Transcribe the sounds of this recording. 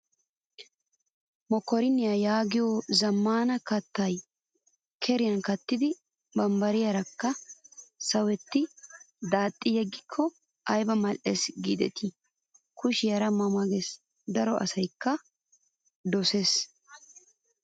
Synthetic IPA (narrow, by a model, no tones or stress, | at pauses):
mɔkːɔɾɪnːɪjɐjaːɡɪjoːzɐmːaːnɐkɐt̪ːɐj | kʰɛɾɪjɐnkɐt̪ːɪd̪ɪ | bɐmbɐɾɪjɐɾɐkːɐ | sɐwɛt̪ːɪ | d̪aːt̪ʼːɪjɛɡːɪkʰːɔ | ʔɐjbɐmɐlʔesɡid̪ɛ̰t̪ʰɪ | kʊʃɪjɐɾɐmɐmɐɡɛs | d̪ɐɾɔʔɐ̰sɐjkːɐ | d̪ɔses